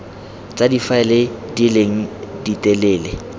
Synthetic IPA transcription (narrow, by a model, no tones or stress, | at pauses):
t͡sʼadifaɛlɪdileŋ̩ditʼɛleːlɪ